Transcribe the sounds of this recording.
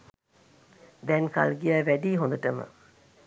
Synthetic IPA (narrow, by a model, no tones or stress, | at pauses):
d̪ɛnka̰lɡiæːʋæɖiːɦõnd̪əʈəmə̰